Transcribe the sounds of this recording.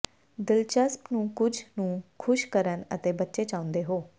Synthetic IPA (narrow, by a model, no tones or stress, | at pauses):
d̪ɪlt͡ʃəspnũːkʊd͡ʒʱnũːkʰʊʃkəɾənə̰t̪eːbətːʃeːt͡ʃãːʊ̃nd̪eːɦoː